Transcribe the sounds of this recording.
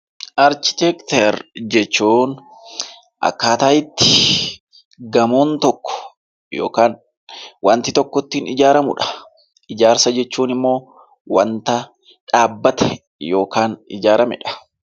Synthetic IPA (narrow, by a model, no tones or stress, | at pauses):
ʔɐɾt͡ʃɪ̥t̪ɛkt̪ɛɾd͡ʒɛt͡ʃːuːn | ʔɐ̰kːaːt̪aːʔɪt̪ːɪ̥ | ɡɐmoːnt̪ɔkːɔ̥ | jo̰ːkaːn | wɐnt̪ɪt̪ɔkːɔt̪ːiːnɪd͡ʒaːɾɐmʊᶑɐ̥ | ʔɪd͡ʒaːɾsɐd͡ʒɛt͡ʃːuːnɪmːo̞ː | wɐnt̪ɐ | ᶑaːbːɐt̪ɛ | jo̞ːkaːnɪ̰d͡ʒaːɾɐmɛ̰ᶑɐ̥